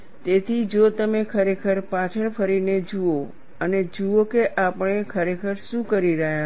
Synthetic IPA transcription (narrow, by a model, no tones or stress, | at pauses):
t̪et̪ʰid͡ʒot̪əmekʰəɾekʰəɾpat͡ʃʰəɭpʰəɾined͡ʒuo | əned͡ʒuokeʔapəɳ̃ekʰəɾekʰəɾʃũkəɾiɾəɦja